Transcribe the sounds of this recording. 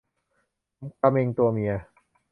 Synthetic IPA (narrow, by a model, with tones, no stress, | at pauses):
mka˧me˧ŋt̪u˧ɐmi˧ɐ